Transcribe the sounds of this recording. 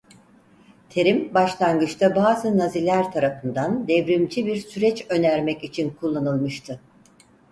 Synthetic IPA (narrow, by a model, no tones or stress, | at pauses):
t̪ʰe̞ɾimbaʃlˠanɡɯt͡ʃt̪ʰabaːzɯnazilʲæɾt̪ʰaɾafɯnd̪and̪ɛvɾimd͡ʒibiɾsyɾɛt͡ʃø̞næɾmɛcit͡ʃʰinkʰulˠːanɯlˠmɯʃt̪ʰɯ